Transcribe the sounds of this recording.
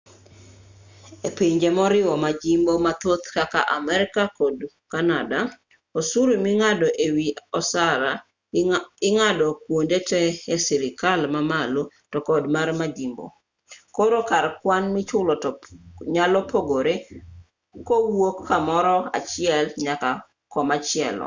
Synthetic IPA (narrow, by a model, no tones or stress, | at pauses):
epiɲd͡ʒemɔɾɪwɔmad͡ʒimbomat̪ot̪kaka̰ʔamɛɾɪkakɔd | kanada | osuɾomiŋadɔʔewiɔsaɾa | ɪŋadɔkwondetɛːsiɾɪkalmamalo | tɔkɔdmarmad͡ʒimbo̰ | koɾokaɾkwanmɪt͡ʃʊlɔtɔɲalɔpʰoɡoɾe | kowokːamɔɾɔa̰t͡ʃɪɛlɲaka | kɔmat͡ʃɪɛ̰lɔ̰